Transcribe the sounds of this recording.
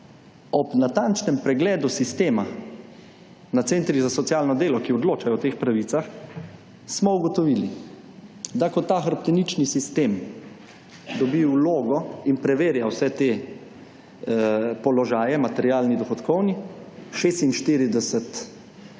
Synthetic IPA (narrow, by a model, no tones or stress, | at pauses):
ɔpnat̪ant͡ʃnɛmpɾɛɡlɛːd̪usist̪eːma | nat̪seːnt̪ɾizasɔt̪sjalnɔd̪eːlɔkiɔd̪loːt͡ʃajɔwt̪eːxpɾaʋiːt̪sax | smɔuɡɔt̪ɔʋili | d̪akɔt̪ːaːxaɾpt̪ɛnit͡ʃnisist̪eːm | d̪ɔbiwloːɡɔinpɾɛʋeːɾjawsɛt̪eː | pɔlɔʒaːjɛmat̪ɛɾjaːlnid̪ɔxɔt̪kɔwniʃeːst̪inʃt̪iːɾid̪ɛsɛt̪